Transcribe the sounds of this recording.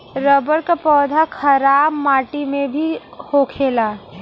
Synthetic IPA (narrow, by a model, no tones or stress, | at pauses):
ɾəbəɾkapɔːd̪ʱakʰəɾaːbmaːʈimẽbʱihokʰeːla